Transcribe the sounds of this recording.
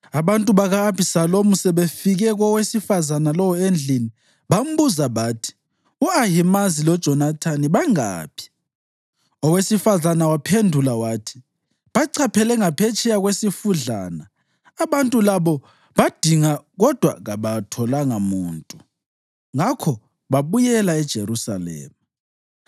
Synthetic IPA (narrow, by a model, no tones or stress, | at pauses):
aβantʼuβaɣaːpʰisalomusɛβefiɣɛɣɔwesifazanalɔwɔend͡ɮʱini | βam̩βuzaβatʰi̥ | uajimazilɔd̥ʒ̥ʱɔnatʰaniβaŋa̰ːpʰi̥ | ɔwesifazanawapʰendʱulawaːtʰi̥ | βaǀʰapʰɛlɛŋapʰɛt͡ʃʰʼɛjaɣwesifuɮa̰naː | βantʼulaβɔ | βad̥ʱiŋaɣɔd̥ʱwa̰ɣaβatʰɔlaŋamuːntʼu | ŋakʰɔ | βaβujɛlaɛd̥ʒ̥ʱeɾusa̰lɛ̰ːma